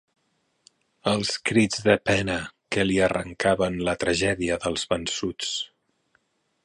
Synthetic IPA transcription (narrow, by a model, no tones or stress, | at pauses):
əlˠskɾid͡zðəpɛnəkəliərə̰ŋkaβənlət̪ɾəʒɛðiəðəlˠzβənsut͡s